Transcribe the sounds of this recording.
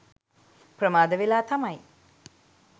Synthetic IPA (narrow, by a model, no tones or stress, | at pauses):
pɾəmaːd̪ɐʋilaːt̪ɐmɐj